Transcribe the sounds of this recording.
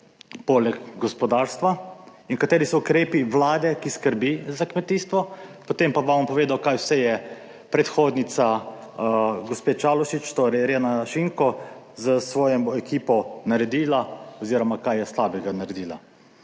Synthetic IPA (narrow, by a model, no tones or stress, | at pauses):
pɔlɛɡɡɔspɔd̪aːɾst̪ʋainkat̪eːɾisɔukɾeːpiʋlaːd̪ɛkiskəɾbizakmɛt̪iːst̪ʋɔpɔt̪empaʋaampɔʋeːd̪awkaːjwsɛjɛ | pɾɛt̪xoːd̪nit̪sa | ɡɔspeːt͡ʃalɔʃit͡ʃt̪oɾɛjɾenaʃiŋkɔ | zəsʋɔːjɛmɔɛkiːpɔnaɾɛd̪iːlaɔziːɾɔmakajɛslaːbɛɡanaɾɛd̪iːla̰